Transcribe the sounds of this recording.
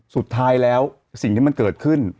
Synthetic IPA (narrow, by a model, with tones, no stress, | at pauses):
su˨˩t̪ʰːaː˦˥jlɛː˦˥w | si˨˩ŋt̪iː˥˩a˧nkɤː˨˩t̪̚kʰɯ˥˩n